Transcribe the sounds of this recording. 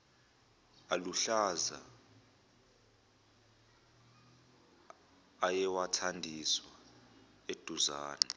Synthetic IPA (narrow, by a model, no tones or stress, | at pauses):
aluɬaza | jɛwatʰandʱiswa | ed̥ʱuzaːnɛ